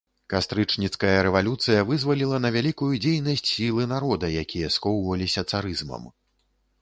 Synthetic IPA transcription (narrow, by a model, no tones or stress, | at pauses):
kast̪ɾɨt͡ʂnʲit̪skɐjɐɾɛvalʲut̪sɨjɐvɨzvɐlʲilˠɐnɐvʲalʲikujud͡zʲejnɐsʲt͡sʲsʲilˠɨnaɾɔd̪ɐjakʲʰijɐskɔwvɐlʲisʲɐt̪saɾɨzmɐ̰m